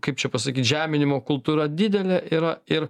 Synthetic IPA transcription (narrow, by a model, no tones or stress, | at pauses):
kɐɪp̚t͡ʃʲɛpɐs̬ɐkʲiːt̪ʒʲæːmʲɪnʲɪmoːkʊlˠt̪uːɾɐd̪ʲɪd̪ʲɛlʲɛʔiːɾɐɪɾ